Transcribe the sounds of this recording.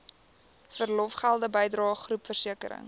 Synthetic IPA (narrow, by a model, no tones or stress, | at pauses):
fərlɔfχælˠdəbəjdrɑːχrupfərsiəkəɾə̰ŋ